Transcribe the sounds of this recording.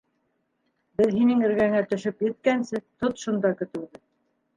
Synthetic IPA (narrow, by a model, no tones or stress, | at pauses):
bɘðɦinɘŋɘ̆ɾɡæŋæt̪ɵ̆ʃɵpjɘ̆t̪̚kænsɘt̪ot̪ʃund̪ɑkɵ̆t̪ɘ̆wðɘ